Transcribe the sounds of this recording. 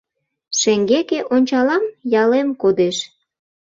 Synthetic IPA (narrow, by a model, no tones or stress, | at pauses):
ʃeŋɡekeʔonʲt͡ɕɑlɑmjɑlemkod̪eʃ